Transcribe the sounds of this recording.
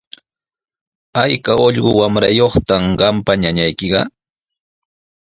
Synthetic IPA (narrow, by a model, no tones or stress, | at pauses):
ajkaoʎɢʊwamɾa̰joχt̪amɢɑmpaɲaɲajkɪɢɑ̰